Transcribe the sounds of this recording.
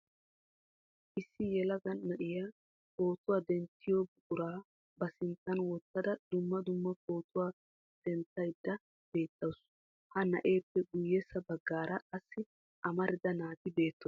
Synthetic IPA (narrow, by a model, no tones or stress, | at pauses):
ʔɪsːɪjɛlɐɡɐnnɐʔɪjaː | ko̞ːt̪ʊwaːd̪ɛnt̪ːɪjobʊʔʼʊɾaː | bɐsɪnt̪ːɐnwɔt̪ːɐd̪ɐd̪̥ʊmːɐd̪ʊmːɐko̞ːt̪ʊwaː | d̪̥ɛnt̪ːɐjd̪ːɐ | b̥e̞ːt̪ːɐws | hɐnɐ̰ʔe̞ːpːɛɡʊjːɛsɐbɐɡːaːɾɐʔɐsːɪ | ʔɐmɐɾɪd̪ɐnaːt̪ɪbe̞ːt̪ːɔ